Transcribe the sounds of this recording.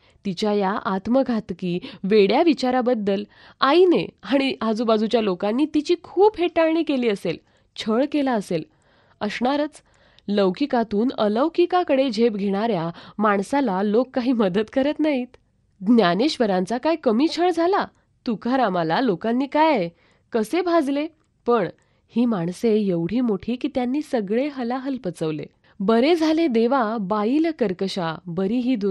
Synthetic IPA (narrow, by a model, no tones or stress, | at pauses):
t̪it͡ɕjajaʔat̪məɡʱat̪kiːʋeɽjaʋit͡ɕaɾabəd̪ːəl | aineaɽ̃iad͡zubad͡zut͡ɕjalokanːiːt̪it͡ɕiːkʰuːbheʈaɳiːkeliːəsel | t͡ɕʰəɭkelaəsel | əsɳaɾət͡s | ləwkikat̪uːnələwkikakəɽed͡ʑʱebɡʱeɽ̃aɾjamaɳsalalokːaɦiːməd̪ət̪kəɾət̪naɦit̪ | d̪njaneɕʋəɾãnt͡sakajkəmit͡ɕʰəɭd͡zʱala | t̪ukʰaɾamalalokãnːiːkaj | kəsebʱad͡zle | pəɳ | hiːmaɳsejeʋɽ̤iːmoʈʰiːkiːt̪janːiːsəɡɭeɦəlaɦəlpət͡səʋlḛ | bəɾed͡zʱaled̪eʋabailkəɾkəɕabəɾiːɦiːd̪u